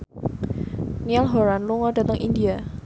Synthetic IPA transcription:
nialɦoɾanluŋɔda̤t̪əŋʔindia

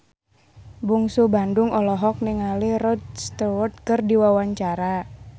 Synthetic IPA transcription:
buŋsubandʊŋɔlɔɦɔk̚niŋalirɔt̪̚st̪əwɔt̪̚kɨrdiwawaɲt͡ʃaɾa

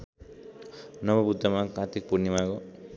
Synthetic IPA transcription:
nʌbʌbud̪ːamakãt̪ik̚puɾnimako

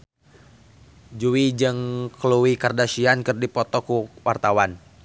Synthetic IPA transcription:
d͡ʒuwid͡ʒɨŋkluwikardasiankɨrdipɔt̪ɔkuwart̪awan

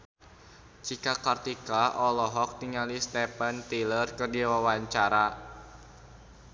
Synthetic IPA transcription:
t͡ʃikakart̪ikaʔɔlɔɦɔk̚t̪iŋalist̪ɛpant̪ilərkərdiawawaɲt͡ʃaɾa

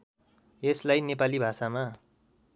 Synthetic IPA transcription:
eslajnepalibʱasama

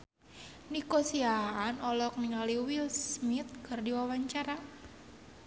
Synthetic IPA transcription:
nikosiaɦːnɔlɔk̚niŋaliwilsmit̪̚kɨrdiwawaɲt͡ʃaɾa

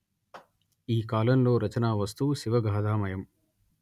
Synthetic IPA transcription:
iːkaːlɐmlo̞ːɾɐt͡ʃɐnaːʋɐst̪uʃiʋɐɡʱaːd̪aːmɐjɐm

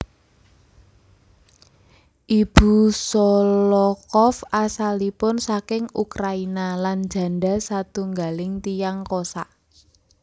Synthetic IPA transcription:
ʔib̥ṳsɔlɔkɔfasalipʊnsakɪŋukɾainalan̥d͡ʒ̥ä̤nɖa̤sat̪uŋɡalɪŋt̪ijaŋkosaʔ

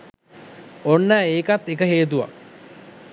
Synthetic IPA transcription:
onːaːeːkat̪ːekəɦeːt̪̬uʋa̰

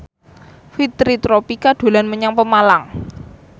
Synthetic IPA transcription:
fit̪ɾit̪ɾopikaɖ̪̥o̤lanməɲaŋpəmalaŋ

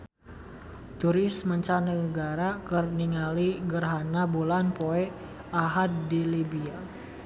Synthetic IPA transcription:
t̪uɾɪsməɲt͡ʃanəəɡaɾakərniŋaliɡərɦanabulanpoɛ | ʔaɦad̪dilibia

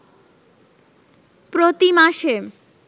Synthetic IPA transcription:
pɾot̪imaʃe

